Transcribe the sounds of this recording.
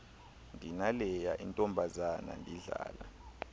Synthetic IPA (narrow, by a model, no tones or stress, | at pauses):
ndʱinalɛjaʔintʼɔmbʱazana̰ndʱiɮa̰ːla̰